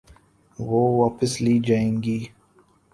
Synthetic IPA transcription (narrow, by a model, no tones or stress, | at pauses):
ʋoːʋaːpəsliːd͡ʒaːẽːŋɡiː